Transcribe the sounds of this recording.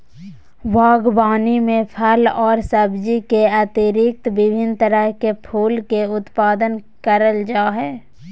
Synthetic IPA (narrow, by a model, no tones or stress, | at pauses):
ʋaːɡbaːnimẽpʰəlɔːɾsəbd͡ʒikeət̪ɪɾɪk̚t̪bɪbʱɪnt̪əɾəɦkepʰuːlkeʊt̪paːd̪ən | kəɾəld͡ʒaːɦɛː